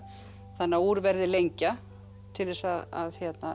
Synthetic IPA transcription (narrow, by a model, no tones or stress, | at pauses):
θanːauːɾvɛɾðɪlejɲca | t̪ʰɪlðɛsaða̰ðçjɛt̪na